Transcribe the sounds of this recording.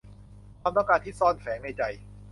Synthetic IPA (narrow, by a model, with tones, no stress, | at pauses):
kʰwaː˧mt̪ɔ˥˩kaː˧nt̪ʰi˦˥˩sɔː˥˩nfɛː˩˦ŋna˧jt͡ɕa˧j